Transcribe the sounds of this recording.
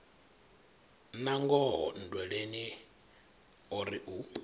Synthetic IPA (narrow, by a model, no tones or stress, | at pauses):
naŋɡɔɦɔ̰n̩dwɛɺeni | ɔɾiʔu